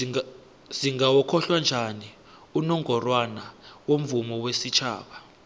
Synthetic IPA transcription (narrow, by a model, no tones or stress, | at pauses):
ziŋɡawɔkʰɔɬwand͡ʒʱani | unɔŋɡɔrwanawom̩vumɔwesit͡ʃʰa̰ːɓa